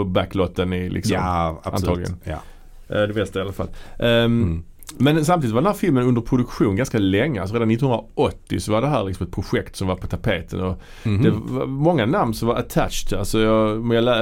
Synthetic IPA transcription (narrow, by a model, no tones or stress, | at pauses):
ɔbæklot̪ːənɪlʔɪ̰kssɔ̰manɑːɡlɪɡə̰n | d̪ɛmɛst̪aɪalafa̰lʔ | mɛnsamt̪iːd̪ɪt̪vɾdɛnɦæːɾfɪlmənɵnd̪əɾpʰɾʊd̪ɵkɧuːnɡanskalɛŋːəalsɔɾeːd̪anːɪt̪ːnhɵnaʔɔt̪ːɪsɔvaɾɖɛɦæːɾlɪksɔmɛt̪̚pʰɾʊɧɛkt̪sɔmvaɾpʰɔ̥t̪ʰapʰeːt̪ʰənɔ | d̪ɛvmɔŋːanamnsɔmvaɾət̪ʰæ̰t͡ʃt̪alsɔjɑjalɛ